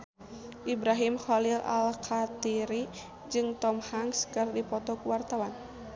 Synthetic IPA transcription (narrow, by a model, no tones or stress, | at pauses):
ʔibɾaɦimxɔlila̰lkʰat̪iɾi | d͡ʒɨŋt̪ɔmhaŋskɨrdipɔt̪ɔkuwart̪awan